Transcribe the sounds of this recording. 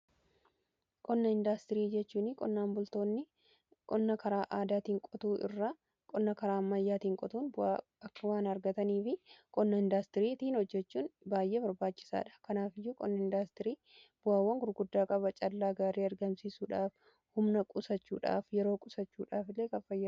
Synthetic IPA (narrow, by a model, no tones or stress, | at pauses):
kʼɔnːɐɪnd̪ast̪ɪɾiːd͡ʒɛt͡ʃːuːnɪkʼɔnːaːmbʊlt̪o̞ːnːɪ | kʼɔnːɐkɐɾaːʔaːd̪aːt̪iːŋkʼɔt̪uːʔɪ̰rːɐ | kʼɔnːɐkɐɾaːmːɐjːaːt̪iːŋkʼɔt̪uːnbʊa̰ | ɐkːɐwaːnɐɾɡɐt̪ɐniːfɪkʼɔnːɐɪnd̪aːst̪ɪɾiːt̪iːnhɔd͡ʒːɛt͡ʃːuːnbaːjʔe̞ːbɐɾbaːt͡ʃːɪ̥sa̰ːᶑɐ̥kɐnaːfɪjːuːkʼɔ̰nːɐɪnd̪aːst̪ɪɾiː | b̥ʊaːwːɐŋɡʊɾɡʊd̪ːaːkʼɐβɐt͡ʃʼɐlːaːɡaːɾiːɐɾɡɐmsisuːᶑaːf | hʊmnɐkʼʊsɐt͡ʃːṵːᶑa̰ːfjɛɾo̞ːkʼʊsɐt͡ʃːṵːᶑaːfɪlːeːkɐfɐjːɐ